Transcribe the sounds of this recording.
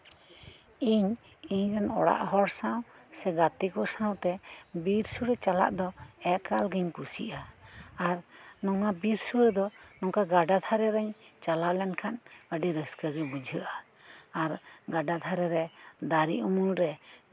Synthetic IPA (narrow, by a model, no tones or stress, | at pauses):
iɲ | iɲɾɛnɔ̰ɽa̰ʔɦɔɽsãwsɛɡat̪ikɔsaw̃t̪ɛbiɾsuɾɛt͡ʃala̰ʔd̪ɔɛkalɡiɲkusḭʔaː | ɾnɔŋabiɾsuɾɛd̪ɔnɔŋkaɡaɖad̪ʱʰaɾɛɾɛɲt͡ʃalawlɛnkʰanəɖiɾəskəɡɛbud͡ʒʱəʔaː | ɾɡaɖad̪ʱaɾɛɾɛd̪aɾḭʔumulɾɛ